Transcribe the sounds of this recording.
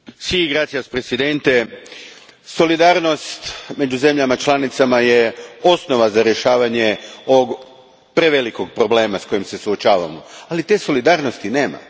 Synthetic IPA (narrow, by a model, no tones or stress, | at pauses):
siiɡɾat̪sijaspɾe̞sid̪e̞nt̪e̞ | so̞lid̪aːɾno̞st̪me̞d͡ʑuze̞mʎamat͡ʃlˠanit̪samajeo̞sno̞ʋazaɾje̞ʃaːʋaɲe̞o̞ʋoɡ | pɾeʋeliko̞ɡ̚pɾo̞ble̞ːmasko̞jimse̞suot͡ʃaːʋa̰mo̞̰alit̪e̞ːso̞lid̪aːɾno̞st̪ine̞ːma̰